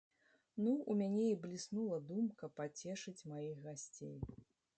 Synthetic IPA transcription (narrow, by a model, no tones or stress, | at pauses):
nuumʲanʲɛiblʲisnulˠɐd̪umkɐpːat͡sʲɛʂɨt͡sʲmajixɣasʲt͡sʲḛj